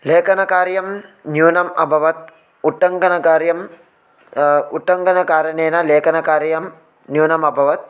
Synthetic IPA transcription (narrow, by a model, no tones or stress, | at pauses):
leːkɐnɐkaːɾjɐmnjuːnɐmɐ̰bʱɐʋɐt̪̚ | uʈːɐŋɡɐnɐkaːɾjɐm | uʈːɐŋɡɐnɐkaːɾɐnejnɐleːkɐnɐkaːɾjɐm | njuːnɐmɐbʱɐʋɐt̪̚